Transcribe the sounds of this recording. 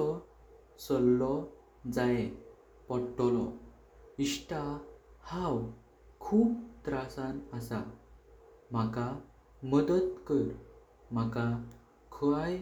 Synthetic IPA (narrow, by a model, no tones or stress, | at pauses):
ɔ | səlːɔ | d͡zaje | pɔɾʈɔlɔ | iɕʈahãw | kʰuːpt̪ɾasãnasa | m̤aka | məd̪ət̪kəɾ | m̤aka | kʰəɭaj